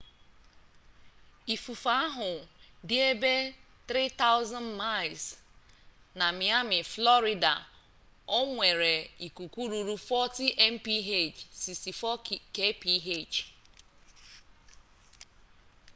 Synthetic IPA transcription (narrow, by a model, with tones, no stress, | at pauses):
i˨fu˨fa˦a˦ɦʊ˨dɪ˦e˦be˦ | t̪ɾi˦ta˦ʊ˦zɔ̃˦nma˦˨ls | na˨mi˨a˦mɪ˨flɔ˦ɾɪ˨da̰˨ | o˦ŋʷe˨ɾe˨i˨ku˨kʷu˦ɾu˨ɾu˦fɔ˦ti˦ʔɛ˦m̩˦pi˦ɦe˦˨d͡ʒsi˨sti˨fɔ˦ke˦pi˦ɦe˦t͡ʃ